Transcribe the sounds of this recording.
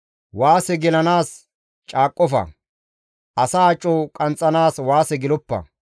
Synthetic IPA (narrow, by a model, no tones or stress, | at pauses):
waːsɛɡɛlɐnaːs | t͡ʃʼaːkʼːɔfɐ̰ | ʔɐsaːt͡ʃʼːɔkʼɐnt͡sʼːɐnaːswaːsɛɡɪlɔpːɐ̰